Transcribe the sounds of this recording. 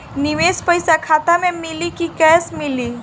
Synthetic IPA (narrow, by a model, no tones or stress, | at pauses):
niʋespəjsakʰat̪amẽmilikikɛjsmiliː